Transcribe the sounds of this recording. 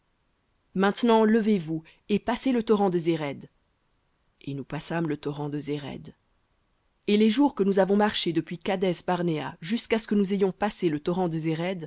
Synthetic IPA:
mɛ̃t̪nɑ̃ləvevu | epaselət̪ɔʁɑ̃d̪əzeʁɛd̪ | enupasamlət̪ɔʁɑ̃d̪əzeʁɛ̰d̪ | eleʒuʁkənuzavɔ̃maʁʃed̪əpɥikad̪ɛsbaʁnea̰ʒyskasə̥kənuzejɔ̃paselət̪ɔʁɑ̃d̪əzeʁɛd̪

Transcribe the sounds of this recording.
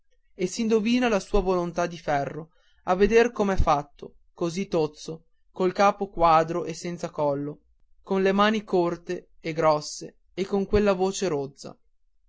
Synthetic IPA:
esind̪oviːnalasuːavolont̪ad̪ifɛrːo | avːed̪erkomeɛfːat̪ːo | kozit̪ːot̪so | kolkaːpokwaːd̪ɾoʔesːɛnt̪sakɔlːo | konlemaːnikort̪eeɡɾɔsːeː | kːoŋkwelːavoːt͡ʃeɾod̪zːa̰

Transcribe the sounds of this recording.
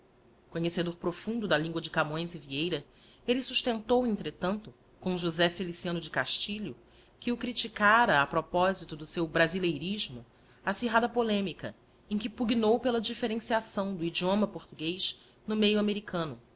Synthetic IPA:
koɲesed̪oɾpɾofũnd̪ʊd̪ɐlĩŋɡwɐd͡ʒɪkamõj̃zɪviejɾɐ | elɪsuʃt̪ẽnt̪owẽnt̪ɾet̪ɐ̃nt̪ʊ | kõw̃ʒuzɛfelisiɐ̃nʊd͡ʒɪkaʃt͡ʃiʎʊ | kɪʊkɾit͡ʃikaɾɐːpɾopɔzit̪ʊd̪ʊsewbɾazilejɾiʒmʊ | asiɦad̪ɐpolẽmikɐ | ẽj̃kɪpuɡinowpelɐd͡ʒifeɾẽsiasɐ̃w̃d̪ʊid͡ʒiõmɐpoɾt̪uɡejʃ | nʊmejʊameɾikɐ̃nʊ

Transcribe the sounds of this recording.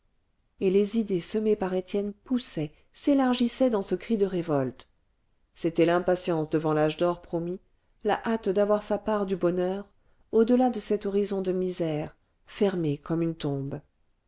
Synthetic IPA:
elezid̪esəmepaʁet̪jɛnpusɛ | selaʁʒisɛd̪ɑ̃səkχid̪əʁevɔlt̪ | set̪ɛlɛ̃pasjɑ̃sd̪əvɑ̃laʒd̪ɔʁpχɔmi | la̰ʔat̪d̪avwaʁsapaʁd̪ybɔnœʁ | od̪əlad̪əsɛt̪ɔʁizɔ̃d̪əmizɛʁ | fɛʁmekɔmynt̪ɔ̃b

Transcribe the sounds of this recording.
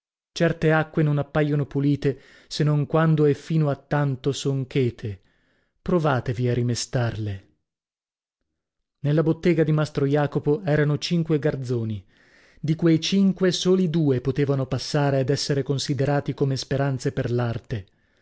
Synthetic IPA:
t͡ʃɛrt̪eakːwenonapːajonopuliːt̪e | senoŋkwand̪oɛfːiːnoat̪ːant̪osoŋkeːt̪ʰe | pɾovaːt̪eviarːimest̪arle | nelːabot̪ːeːɡad̪imast̪ɾojaːkopoɛːɾanot͡ʃiŋkweɡard̪zoːni | d̪ikwejt͡ʃiŋkwesoːlid̪uːepot̪eːvanopasːaːɾead̪ɛsːeɾekonsid̪eɾaːt̪ikomespeɾant̪seperlart̪e

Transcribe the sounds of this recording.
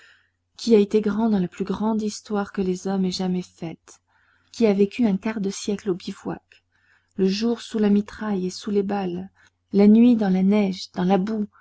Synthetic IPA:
kʲʰiaet̪eɡʁɑ̃d̪ɑ̃laplyɡʁɑ̃d̪ist̪waʁkəlezɔmɛʒamɛfɛt̪ | kʲiavekʲyɛ̃kaʁd̪əsjɛklobivwa̰k | ləʒuʁsulamit̪χajesulebalː | anɥid̪ɑ̃lanɛʒd̪ɑ̃labu

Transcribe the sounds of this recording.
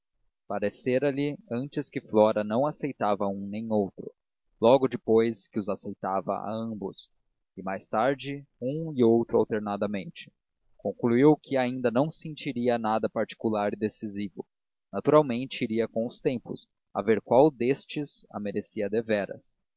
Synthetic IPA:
paɾeseɾɐlɪɐ̃nt͡ʃɪskɪflɔɾɐnɐ̃w̃asejt̪avɐũnẽj̃owt̪ɾʊ̰ | lɔɡʊd͡ʒɪpojskɪʊzasejt̪avɐ̰ʔa̰ɐ̃mbʊs | ɪmajst̪aɾd͡ʒɪũɪowt̪ɾʊa̰wt̪eɾnad̪ɐmẽnt͡ʃɪ̥ | kõŋkluiwkʰɪaĩnd̪ɐnɐ̃w̃sẽnt͡ʃiɾiɐnad̪ɐpaɾt͡ʃi̥kulaɾɪd̪esizivʊ | nat̪uɾawmẽnt͡ʃɪiɾiɐkõw̃ʊst̪ẽmpʊs | a̰veɾkwawd̪est͡ʃɪsɐ̰meɾesiɐd̪evɛɾɐ̰s

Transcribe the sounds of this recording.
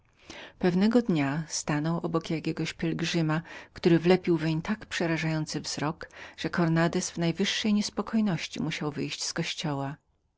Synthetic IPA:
pɛvnɛɡɔd̪ɲast̪anɔwʔɔbɔkjakʲɛɡɔɕpʲjɛlɡʐɘmakt̪uɾɘvlɛpʲiwvʲɛɲt̪akpʂɛɾaʐajɔnt̪sɘvz̥ɾɔkʐ̥ɛkɔɾnad̪ɛsvnajvɘʂːɛjɲɛspɔkʰɔjnɔɕt͡ɕḭmuɕawvɘjɕt͡ɕskɔɕt͡ɕɔwa

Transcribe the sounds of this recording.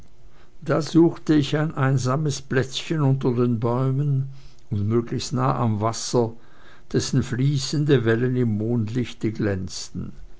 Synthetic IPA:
d̥aːzuːxtəɪçaɪnʔaɪnzaːməsb̥lɛt͡sçənʊntɐdeːnbɔʏmən | ʊntmøːɡlɪçstnaːʔamvasɐ | d̥ɛsn̩fliːsəndəvɛlənɪmːoːntlɪçtəɡlɛnt͡stn̩

